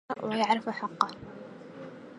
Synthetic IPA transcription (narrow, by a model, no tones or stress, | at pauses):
wɪjaʕɾɪfħɑqːɑ